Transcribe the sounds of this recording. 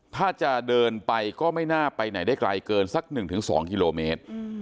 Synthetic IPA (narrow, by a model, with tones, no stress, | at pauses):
t̪ʰaː˥˩t͡ɕa˨˩dɤː˧npa˧jkɔː˥˩ma˥˩jnaː˥˩pa˧jna˨˩˦jdaː˥˩jkla̰˧jkɤː˧nsa˦˥k̚nɯ˨˩ŋt̪ʰɯ˩˦ŋsɔ̰ː˩˦ŋki˧loː˧meː˦˥t̪̚